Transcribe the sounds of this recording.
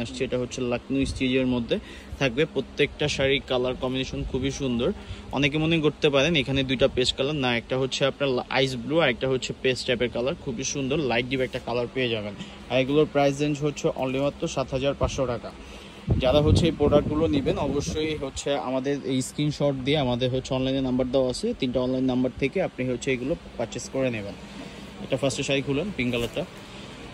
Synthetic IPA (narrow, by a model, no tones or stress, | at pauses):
aʃt͡ɕʰieʈaɦotːɕʰelaknujsʈed͡ʑeɾmod̪ʱːe | t̪ʰak̚bepɾot̪ːek̚ʈaʃaɾikalaɾkɔminiʃonkʰubiʃund̪oɾɔ̰nek̬emoneɡoɾt̪epaɾenekʰaned̪ujʈapeskalannaɛk̚ʈaɦotːɕʰeapnaɾa̰js̬bluaɾek̚ʈaɦotːɕʰepesʈapeɾkalaɾkʰubiʃund̪oɾlajʈ̚ɖibɛk̚ʈakalaɾpeed͡ʑaben | aɾeɡuloɾpɾajz̬end͡ʑɦotːɕʰeʔɔnlaijmat̪ːɾoʃat̪ɦad͡ʑaɾpaʃoʈaka | d͡ʑaɾaɦotːʰeejpɾoɖak̚ɡulonibenɔboʃːojɦotːɕʰea̰mad̪eɾejskɾinʃɔʈ̚d̪ieamad̪eɾɦotːʰeɔnlajneɾnambaɾd̪eoaat͡ɕʰet̪inʈaɔnlajnːambaɾt̪ʰekeapniɦoːɕʰeejɡulopaɾt͡ɕeskoɾeneben | ɛ̰ʈafaɾsʈoʃaikʰulenpiŋkalaɾʈa